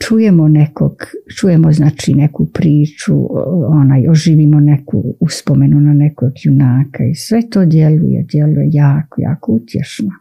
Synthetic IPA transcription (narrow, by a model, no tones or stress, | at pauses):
t͡ʃuje̞mone̞ko̰ɡ̥t͡ʃujemoznaːt͡ʃḭne̞kupɾiːt͡ʃṵonaːjoʒiːʋimone̞kṵuspome̞nunane̞koɡjunaːkaisʋe̞t̪o̞ːd̪je̞lṵjḛd̪je̞lujejaːkoja̰ːkout̪jḛʃno